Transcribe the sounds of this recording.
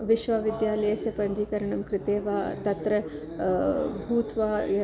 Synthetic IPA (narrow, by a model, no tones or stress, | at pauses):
ʋiʃʋaːʋid̪jaːlɐjɐsɐpɐɲd͡ʒiːkɐɾɐɳɐmkɾɪt̪eːʋaːt̪ɐt̪ɾɐ | bʱuːt̪ʋaːɐ